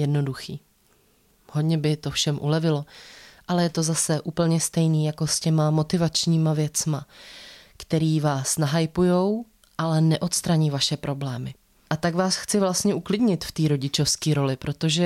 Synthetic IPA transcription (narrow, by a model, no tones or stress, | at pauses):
jɛdno̞duxiː | hodɲɛbɪt̪o̞fʃɛmʔṵlɛvɪlo̞ʔalɛjɛt̪o̞zasɛʔuːpl̩ɲɛst̪ɛjniːjako̞scɛmamo̞t̪ɪvat͡ʃɲiːmavjɛt͡sma | kt̪ɛɾiːvaːsnaɦajpujo̞w | ʔalɛnɛʔo̞t̪st̪ɾaɲiːvaʃɛpɾʔo̞blɛːmɪ | ʔat̪aɡvaːsxt͡sɪvlast̪ɲɛʔuklɪdɲɪt̪ft̪iːɾo̞ɟɪt͡ʃo̞fskiːɾo̞lɪpɾo̞t̪o̞ʒɛ